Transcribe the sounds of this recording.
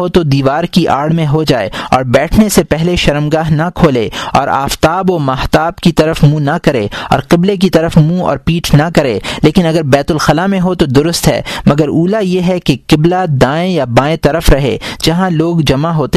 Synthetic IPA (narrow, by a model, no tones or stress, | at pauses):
ɦot̪od̪iːʋaːɾkiʔa̰ːɽmẽɦod͡ʒaːḛɔ̰ːɾbɛːʈʰnesepɛɦleʃɐɾəmɡaːɦnɐkʰoːleɔ̰ːɾa̰ːft̪aːbomɐht̪aːbkit̪ɐɾəfmũnɐkɐɾeːɔ̰ːɾqɪblek̬it̪ɐɾəfmũɔ̰ːɾpiːʈʰnɐkɐɾeːleːkɪnɐɡəɾbɛːt̪ʊlxɐlamẽɦot̪od̪ʊɾʊst̪ɦɛ̰ːmɐɡəɾuːlajeɦɛkekɪblad̪ãːẽjabãːẽt̪ɐɾəfɾɐɦḛd͡ʒɐɦãloːɡd͡ʒɐmaɦoːt̪e